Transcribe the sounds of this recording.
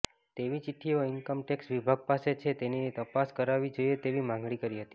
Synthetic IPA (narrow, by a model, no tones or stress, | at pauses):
t̪eʋit͡ʃɪʈʰːioɪnkəmʈeksʋibʱaɡ̚paset͡ʃʰet̪enit̪əpaskəɾaʋid͡ʒoijet̪eʋimãŋɡɭikəɾiɦət̪i̥